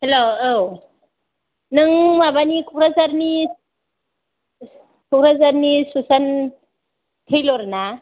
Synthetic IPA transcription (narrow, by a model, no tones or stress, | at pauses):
helo | nɯŋmabanikʰɔkɾazaɾni | kʰɔkɾazaɾnisusan | tʰejlɔɾna